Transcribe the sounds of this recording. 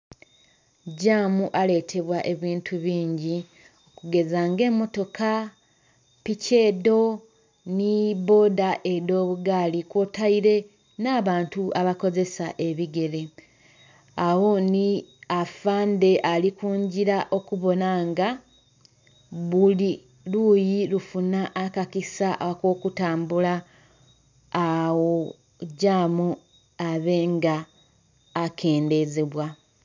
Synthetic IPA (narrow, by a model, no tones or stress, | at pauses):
ɟaːmuʔale̞tʰe̞βwaʔe̞βiːntʰuβiːɲɟi | okuɡe̞zaːŋɡe̞ːmːo̞to̞ka | pice̞ːdo̞ | niβo̞ːdaʔe̞do̞ːβuɡaːlikwotaiɾe̞ | naːβaːntuʔaβako̞ze̞saʔe̞βiɡe̞ɾe̞ | awo̞niafaːnde̞ʔalikuːɲɟiɾaʔo̞kuβo̞naŋɡa | βuli | lujilufunaʔːkakisaʔakwo̞ːkutaːmbula | wo | ɟaːmu | aβe̞ːŋɡaː | kʰe̞ːnde̞zeβwa